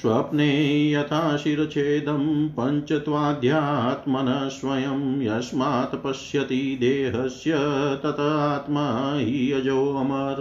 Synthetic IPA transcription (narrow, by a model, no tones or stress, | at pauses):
sʋɐpneːjɐt̪ʰaːʃiɾɐt͡ʃʰeːd̪ɐmpɐɲt͡ʃɐt̪ʋaːd̪ʱjaːt̪mɐnɐsʋɐjɐmjɐsmaːt̪ɐpɐsʃjɐt̪id̪eːɦɐsjɐt̪ɐt̪ɐaːt̪mɐɦijɐd͡ʒoːɐmɐɾ